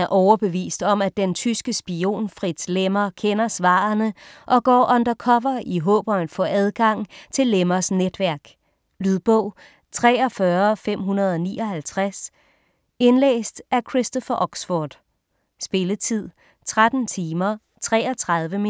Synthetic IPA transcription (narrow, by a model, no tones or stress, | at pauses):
æɐʔɒʊɐb̥e̝ʋḭːsd̥ɒ̽mæ̥ent͡sʰysɡ̥əsb̥io̝̰ːnfʁid̥slemɐkʰenɐsʋɑ̰̈ːɐnəʔɒ̽ɡ̥ɒ̰ːʔɒ̽nd̥ɐkʰɒ̽ʋɐʔiɦɔ̰̽ːb̥ɐnfɒ̰æð̞ˠɡ̥ɑ̈ŋ̰t͡sʰe̝lːemɐsned̥ʋæɐɡ̥ | lyðˠb̥ɔʊ̰ | t͡sʰʁɛ̰ːɒ̽fɶɐfem̰ɦunɐð̞ˠɒ̽nḭːɒ̽hælt͡sʰʁas | e̝nlḛːsd̥ʔæɐkʰʁisd̥ɔfɐʔɒ̽ɡ̥sfɔːd̥ | sb̥e̝lət͡sʰið̞̰ˠ | t͡sʰʁad̥n̩t͡sʰiːmɐ | t͡sʰʁɛːɐt͡sʰʁɑ̈ð̞ˠʋəmi